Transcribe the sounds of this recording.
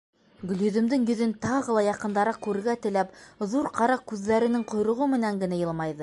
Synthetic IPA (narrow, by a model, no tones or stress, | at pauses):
ɡɵ̆ljɵ̆ðɘ̆md̪ɘŋjɵ̆ðɘnt̪ɑʁɤ̆lˠɑjɑqɤ̆nd̪ɑɾɑkʉɾɘ̆ɡæt̪ɘ̆læpðuɾqʰɑɾɑkʉðːæɾɘ̆nɘŋqŏjɾɤ̆ʁɤmɘ̆næŋɡɘ̆næjɤlˠmɑjðɤ